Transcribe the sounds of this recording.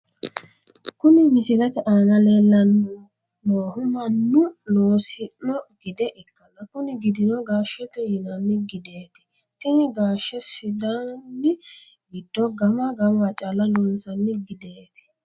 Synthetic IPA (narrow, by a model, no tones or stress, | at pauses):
kʊnɪmɪsɪɾɐt̪ɛʔaːnɐleːlːɐnʊ | noːhʊmɐnːʊnoːsɪnːɔɡ̥ɪd̪ɛʔɪkːɐnɐkʊnɪɡɪd̪ɪnɔɡaːʃɛt̪ɛjɪnɐnːɪɡɪd̪eːt̪ɛ̥ | t̪ɪnɪɡaːʃːɛsɪd̪anːɪ | ɡɪd̪ːɔɡɐmɐɡɐmɐt͡ʃʼalɐlɔnsɐnːɪɡɪd̪eːt̪ɛ̥